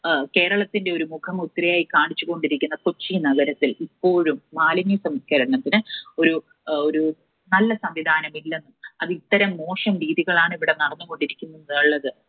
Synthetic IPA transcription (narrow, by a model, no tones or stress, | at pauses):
ke̞ːɾɐɭɐt̪ːinde̞o̞ɾumukʰɐmut̪ːrɐjaːjikaːɳit͡ɕːuɣo̞ɳɖiɾikʲːunːɐkot͡ɕːinɐɣɐɾɐt̪ːilipːo̞ːɻumːaːlɐnjusɐmskɐɾɐnɐt̪ːinɨo̞ɾu | oɾu | nɐlːɐsɐmʋid̪ʱaːnɐmilːe̞nːumɐðit̪ːɐɾɐmːo̞ːʂɐmɾiːðiɣɐɭaːɳiʋiɽenɐɽɐnːuɣo̞ɳɖiɾikʲːunːunuɭːɐðɨ